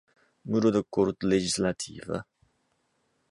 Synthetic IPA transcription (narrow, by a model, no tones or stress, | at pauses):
muɾod̪əkoɾt̪led͡ʒislat̪ʰḭːvə̰